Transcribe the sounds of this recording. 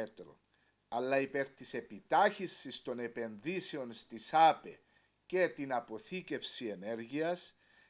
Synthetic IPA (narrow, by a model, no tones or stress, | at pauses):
t̪ɾo̰ | ɐlːɐipe̞ɾt̪ise̞pit̪ɐçisːist̪o̞ne̞pe̞nðise̞o̞nst̪isɐpe | ce̞t̪inɐpo̞θice̞fsie̞ne̞ɾʝiɐs